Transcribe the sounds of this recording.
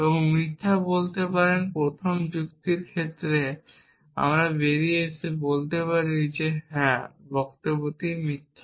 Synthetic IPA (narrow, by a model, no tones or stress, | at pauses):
ebooŋmɾit̪ʰːabolt̪epaɾenpɾot̪ʰomd͡ʑukt̪iɾkʰet̪ːɾe | a̰mɾabeɾiet͡ɕʰibolt̪epaɾid͡ʑeɦɛ̃bɔkt̪obot̪iɾmɾit̪ʰːa